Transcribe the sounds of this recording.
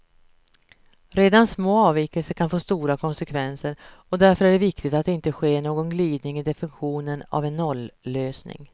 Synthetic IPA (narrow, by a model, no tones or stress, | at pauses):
ɾeːd̪ansmoːɑːviːkəlsəkʰanfoːst̪uːɾakʰɔnsɛkʰvɛnsəɾɔd̪æɾfœɾæɖɛvɪkt̪ɪt̪at̪ɪnt̪əɧeːɳoːɡɔnɡliːd̪̚nɪŋɪd̪ɛfɪnɪɧuːnəna̰vɛnːɔlːøːsnɪ̰ŋ